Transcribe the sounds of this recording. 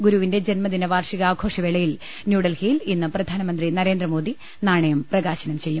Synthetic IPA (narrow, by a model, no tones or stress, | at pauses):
ɡuɾuʋinde̞d͡ʑenmɐðinɐʋaːrʂiɣɐaːɡʰʱo̞ːʂɐʋeɭɐjil | njuːɽɐlhiːlinːɨprɐd̪ʱaːnɐmɐnd̪rinɐɾe̞ːnd̪rɐmo̞ːd̪ʱi | naːɳɐjumprɐɣaːɕɐnɐmt͡ɕe̞jːum